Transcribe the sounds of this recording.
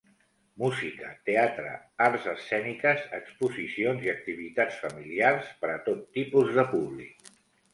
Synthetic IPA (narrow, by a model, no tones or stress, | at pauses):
muzikət̪eat̪ɾə̰aɾzəsɛnikəzəkspuzisionziək̚t̪iβ̞it̪at͡sfəmiliarspəɾət̪ot̪ːipuzðəpuβlḭk̚